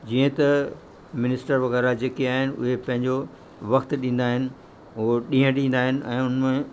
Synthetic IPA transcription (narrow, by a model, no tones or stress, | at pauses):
d͡ʑiːə̃t̪ɐ | mɪnɪsʈəɾʋɐɣɛːɾad͡ʑeːkeaːɦɪnɪ̆ʊ̰ɦepɐ̃ɦɪ̃ɲd͡ʑo | ʋɐxt̪ɗĩːn̆d̪aːɦɪnɪ̆ | ʊoɗĩːɦə̃ɗĩːn̆d̪aːɦɪnɪ̆ʔɛ̰̃ːʊnmẽ